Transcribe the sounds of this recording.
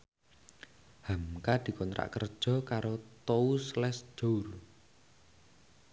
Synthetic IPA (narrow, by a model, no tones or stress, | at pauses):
hamkad̪̥i̤kɔnt̪ɾa̰ʔkərd̥ʒ̥ɔ̤kaɾot̪ouslɛsd͡ʒ̥or